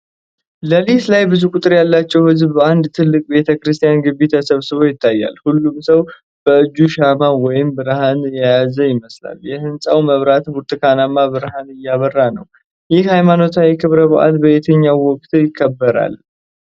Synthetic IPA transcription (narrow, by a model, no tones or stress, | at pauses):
ləlit̪lajbɨzukʼʊt̪ʼɨɾjalːat͡ʃːɛwhɨzbːəand̪t̪ʰɨlːɨkʼbe̞t̪ʰəkɨɾɨst̪ʰʼijanɡɨbːit̪ʰəsəβsɨβo̞jɪt̪ʰːajːa̰lhulːumsəw | b̥əɨd͡ʒːuʃamawɔjɪmbɨɾhanjajazəjɪməsla̰ljɛhɨnsʼawməβɾat̪buɾt̪ʼɨkʰanamːabɨɾɦanɨjːaβərːanəw | jɪhhajmano̞t̪ʰajɛkʰɨβɾəβəʔa̰lbəʔet̪ʰəɲːawːɔkʼt̪ʰjɪkʰːəbːəɾa̰l